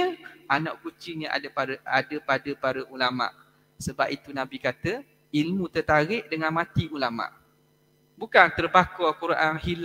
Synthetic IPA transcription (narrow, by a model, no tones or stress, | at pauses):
əana̰ʔkut͡ʃiɲəʔa̰paɾa̰dəpadəpaɾəʔulama̰ʔ | səbap̚it̪unãbikat̪ə | ilmũt̪ərt̪aɾɪʔdəŋãnmãt̪iulama̰ʔ | bukant̪ərbakɔkuɾʔanhil